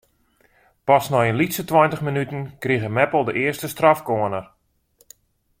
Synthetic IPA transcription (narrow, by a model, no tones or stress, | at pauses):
pasnɔjənlitsətwɔjntəχmənytən̩kriɣəmɛpəlˠdəʔɪəstəstrafkoənər